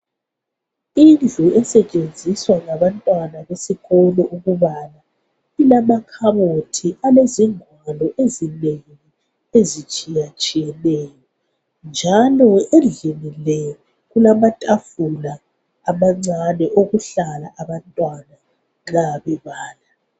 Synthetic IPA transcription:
ind͡ɮʱuɛsɛt͡ʃʼend͡zʱiswaŋaβantʼwanaβesiɣɔlɔʔuɣuβana | ilamakʰaβotʰiʔaleziŋwalɔʔezinejii | ezit͡ʃʼijat͡ʃʼijɛneːjɔ | nd͡ʒʱalɔend͡ɮinilɛ | ɣulamatʼafulaː | maŋ͡ǀanɛʔoɣuɬalaʔaβantʼwana | ŋaβɛβaːla

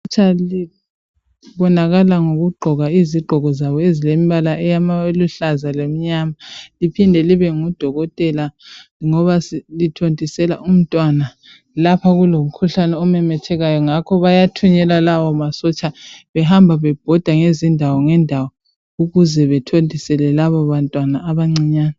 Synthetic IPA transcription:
t͡ʃʼali | βɔnaɣalaŋoɣuɡ͡ǃʱɔɣaiziɡ͡ǃʱɔɣɔzaβɔezilemiβalaʔɛjamaeluɬazalom̩ɲamalipʰindʱɛliβɛŋud̥ʱɔɣɔtʼɛlaŋɔβaslitʰontʼisɛlaʔum̩tʼwana | lapʰaɣulom̩kʰuɬanɛɔmɛmɛtʰɛɣajɔŋakʰɔβajatʰuɲɛlalawɔmasɔt͡ʃʼaβɛɦambʱaβɛb̥ʱɔd̥ʱaŋezindʱawɔŋɛndʱawɔ | uɣuzɛβɛtʰondʱʼisɛlɛlaβɔβantʼwanaːβaŋ͡ǀiɲaːna

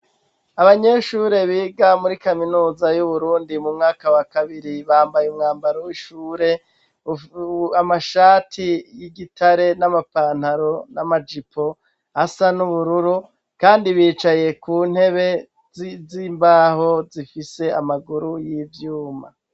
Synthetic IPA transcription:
aβaɲe̞ʃuːɾe̞βiːɡamuɾikaminuːzajuβuɾuːndimumŋaːkawakaβiɾiβaːmbajumŋaːmbaɾowiʃuːɾe̞ | amaʃaːtʰijiɡitʰaɾe̞namapaːn̥haɾo̞namad͡ʒipʰo̞ | asanuβuɾuɾu | kaːndiβiːt͡ʃaje̞kuːn̥he̞βe̞ | zimbaːho̞zifise̞amaɡuɾujivjuːma̰

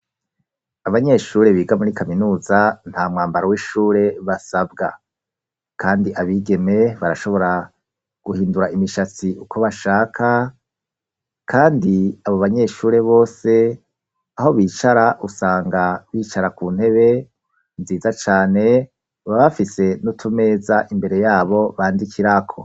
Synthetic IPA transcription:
aβaɲe̞ʃuːɾe̞βiːɡamuɾikaminuːzan̥haːmŋaːmbaɾowiʃuːɾe̞βasabɡa̰ | kʰaːndiʔaβiːɡe̞me̞βaɾaʃo̞βo̞ɾa | ɡ̥uhiːnduɾaimiʃat͡siʔukʰo̞βaʃaːkʰa | kʰaːndiaβo̞βaɲe̞ʃuːɾe̞βo̞ːse̞ | aho̞βiːt͡ʃaɾaʔusaːŋɡaβiːt͡ʃaɾakuːn̥he̞βe̞ | nziːzat͡ʃaːne̞ | βaβafise̞nutʰume̞ːzaʔimbe̞ɾe̞jaːβo̞βaːndikʰiɾakʰo̞̰

